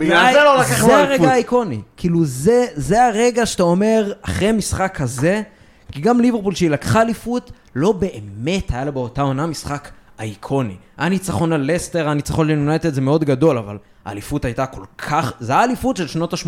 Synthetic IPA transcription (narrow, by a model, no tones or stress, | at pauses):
biaelolakaχeaʁeaːiko̞nikʰiluzezeaʁe̞ɡaʃe̥tao̞me̞ʁaχʁemisχakhaze̞ | kiɡamlivepulʃeilakχaːlifut | lo̞be̞ʔeme̞thajalobeo̞tao̞namisχakaikʰo̞nḭ | anit͡saχo̞nale̞ste̞ʁanit͡saχo̞nlinunajteeze̞meo̞dɡado̞lava̰l | a̰ːlifutajtako̞lkʰaχzeaːlifutʃelʃno̞taʃm